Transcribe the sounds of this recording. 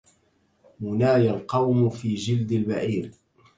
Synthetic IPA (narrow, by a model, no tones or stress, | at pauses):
mʊnaːjalqɑwmʊfiːd͡ʒɪld̪ɪlbaʕiːɾ